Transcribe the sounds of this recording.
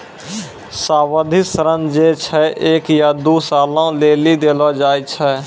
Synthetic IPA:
saːwəd̪ʱɪsəɾənd͡ʒet͡ʃʰɛʔeːkjad̪uːsaːlõleːlid̪eːlod͡ʒaːit͡ʃʰɛː

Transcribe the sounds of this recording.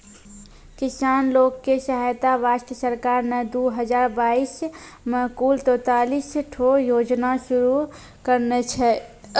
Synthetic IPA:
kɪsaːnloːkːesəɦajt̪aʋaːʃt̪əsəɾkaːɾnəd̪uɦəd͡ʒaːɾbaːis | məɦkuːlt̪oːt̪aːlisʈʰojoːd͡ʒnaʃʊɾu | kəɾnɛt͡ʃʰɛ

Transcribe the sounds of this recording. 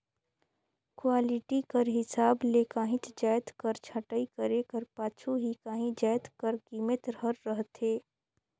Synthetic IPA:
kwaːlɪʈikəɾɦɪsaːbleːkaːɦĩt̪d͡ʒaːjt̪kəɾt͡ʃʰɐʈəikɐɾekəɾpaːt͡ʃʰuɦikaːɦĩd͡ʒaːjt̪kəɾkiːmət̪ɾɦəɾːəɦt̪eː

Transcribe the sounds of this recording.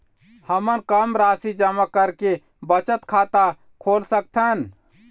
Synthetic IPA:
həmənkəmɾasid͡ʒəmakəɾke | bət͡ʃət̪kʰat̪a | kʰolsək̚t̪ʰən

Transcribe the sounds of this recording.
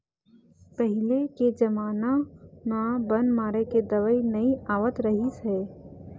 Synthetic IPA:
pəɦɪleked͡ʒɐmaːnamabənmaːɾeked̪ɐʋəinɐiaːʋət̪ɾɐɦisɛː

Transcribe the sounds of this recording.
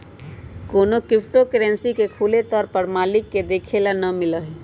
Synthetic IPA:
koːnokɪpʰʈokəɾɛ̃nsikekʰuːlet̪ɔːɾpəɾmaːlɪkːed̪eːkʰelanəmɪləɦe

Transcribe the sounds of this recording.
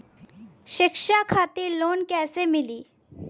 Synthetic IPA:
ʃɪkʃakʰaːt̪iloːnkɛːsemɪliː

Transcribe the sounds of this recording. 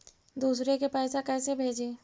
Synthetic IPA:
d̪uːsɾekepɛːsakɛːsebʱeːd͡ʒeː

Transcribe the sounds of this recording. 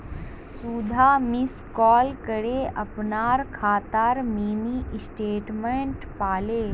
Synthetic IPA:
suːd̪ʱamɪskɔːlkɐɽeʔɐpnaːɾkʰaːt̪aːɾmiːniʔsʈeːʈmẽɳʈpaːleː

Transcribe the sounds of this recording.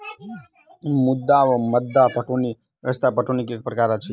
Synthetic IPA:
mud̪ːaʋəməd̪ːapəʈʰoni | əst̪apəʈʰonikek̚pɾəkaɾat͡ʃʰi

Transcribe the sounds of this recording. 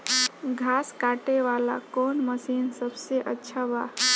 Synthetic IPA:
ɡʱaskaʈeʋala̰konməsinsəbseʔətːʃʰaba

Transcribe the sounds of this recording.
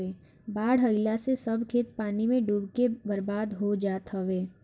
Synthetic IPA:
eː | baːɽɦɐɪlasesɐbkʰeːt̪paːnimẽɖuːbkebɐɾbaːd̪ɦod͡ʒaːt̪ɦɐʋeː

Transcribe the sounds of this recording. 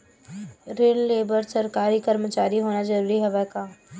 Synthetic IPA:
ɾeːlːeːbəɾsɐɾkaːɾikɐɾmət͡ʃaːɾiɦoːɽ̃azɐɾuːɾiɦɐʋəkaː

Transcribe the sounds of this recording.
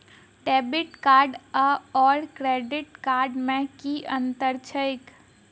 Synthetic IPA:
ʈɛːbɪʈkaːɾɖəɔːɾkɾeːɖɪʈkaːɾɖmẽkiə̃nt̪əɾt͡ʃʰəɪk

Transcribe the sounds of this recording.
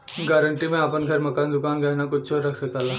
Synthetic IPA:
ɡɛːɾəɳʈimẽɐpənɡʱɐɾmɐkaːnd̪ʊkaːnɡɐnakʊt͡ʃːt͡ʃʰoɾɐkʰsɐkaːlaː

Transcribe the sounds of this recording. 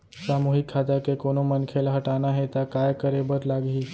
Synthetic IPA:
saːmuːɦɪkʰːaːt̪akekoːnomənkʰelɦɐʈaːnaɦɛt̪akaːjkəɾebəɾlaːɡɦiː

